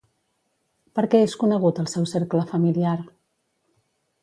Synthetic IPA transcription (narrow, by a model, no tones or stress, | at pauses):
pəɾkɛeskunəɣ̞ut̪əlˠsɛwseɾkləfəmiliar